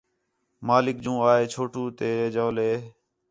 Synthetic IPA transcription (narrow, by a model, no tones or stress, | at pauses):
maːlɪk̚d͡ʒũːaːeːt͡ʃʰoːʈuːt̪eːeːd͡ʒaːleː